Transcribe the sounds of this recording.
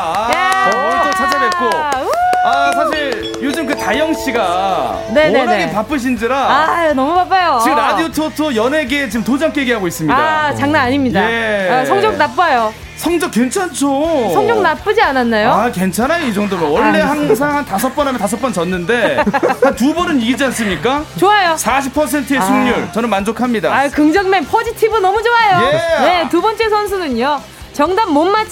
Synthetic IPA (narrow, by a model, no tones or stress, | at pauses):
d͡ʑʰʌt͡ɕʰad͡ʑanek͈ʰo | asʰaɕʰiiɾ | jod͡ʑɯmkɯtajʌŋɕ͈iɡa | ne̞enaɡepap͈ɯɕ̬ʰind͡ʑiɾaanʌmubap͈ajot͡ɕiɡɯmɾadiotʰotʰojʌne̞ɡet͡ɕiɯmtod͡ʑaŋk͈eɡiɦaɡois͈ɯmɲidat͡ɕaŋnaaɲimɲidaesʰʌŋd͡ʑʌŋnap͈ajo | sʰʌŋd͡ʑʌk͈we̞nt͡ɕʰant͡ɕʰosʰʌŋd͡ʑʌŋ̚nap͈ɯd͡ʑiananːajoakent͡ɕʰanajoid͡ʑʌŋdomʌwʌɭːe̞ɦaŋsʰaŋantas̬ʰʌp͈ʌnɦamjʌntasʰʌp͈ʌnt͡ɕʌnːɯnde̞tantubʌnɯniɡid͡ʑians͈ɯmɲik͈at͡ɕoajosʰaɕ̬ʰipʰʌs̬ʰe̞ntʰɯesʰuŋɲuɭt͡ɕʌnɯnmand͡ʑokʰamɲidaakɯŋd͡ʑʌŋmeŋpʰʌd͡ʑitʰibɯnʌmud͡ʑoajojene̞tubʌnt͡ɕ͈e̞s̬ʰʌns̬ʰunɯɲo | t͡ɕʌŋdammonːat͡ɕʰ